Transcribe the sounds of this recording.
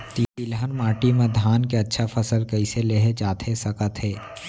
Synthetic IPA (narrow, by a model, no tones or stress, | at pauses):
t̪it̪ilɦənmaːʈimẽd̪ʱaːnkeɐtːʃʰafʰɐsəlkɐɪseleːɦet͡ʃaːt̪ʰesɐkət̪ɦɛː